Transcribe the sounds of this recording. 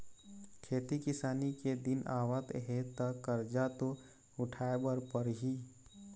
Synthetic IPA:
kʰeːt̪ikɪsaːniked̪ɪnaːwət̪ɦet̪əkəɾd͡ʒat̪o | ʊʈʰaːebəɾpəɾɦi

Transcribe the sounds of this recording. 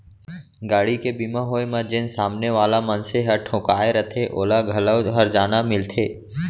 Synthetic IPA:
ɡaːɽikebimãɦoːemə̃d͡ʒɪnsaːmneʋaːlamənseɦɐɾʈʰʊ̃ːkaːeɾət̪ʰeʔo̰ːlaɡʱɐləwɦəɾd͡ʒaːnamɪlt̪ʰeː

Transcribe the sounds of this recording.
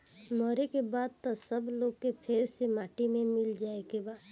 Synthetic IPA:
mɔːɾekebaːd̪̚t̪əsəbloːɡkepʰeːɾsemaːʈimẽmɪld͡ʒaːekebaːd̪

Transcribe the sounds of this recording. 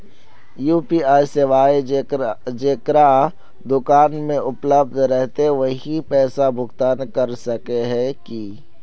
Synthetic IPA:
juːpiaːjseʋaːe | d͡ʒeːkɾa | d̪ʊkaːnmẽʔʊpləb̚d̪ʱɾɛɦt̪eʋəɦipɛːsabʱʊɡt̪aːnkɐɾsəkeɦɛ̃ki

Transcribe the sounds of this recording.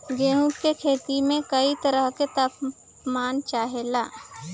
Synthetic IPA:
ɡẽːɦũkkekʰeːt̪imẽkɐit̪əɾəɦket̪aːp | maːnt͡ʃaːɦelaː

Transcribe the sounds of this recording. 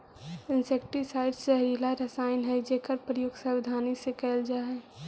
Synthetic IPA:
ɪnseːkʈisaːɪɖseɦɾiːlaɾəsaːɪnɦɛd͡ʒeːkəɾpɾəjoɡsəʋɪd̪ʱaːnisekɛːld͡ʒaːɦɛː

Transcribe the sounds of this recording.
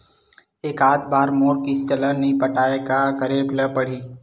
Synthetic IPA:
eːkaːt̪̚baːɾmoːɾkist̪ələnɐĩpəʈaːeɡakəɾepləpəɽiː

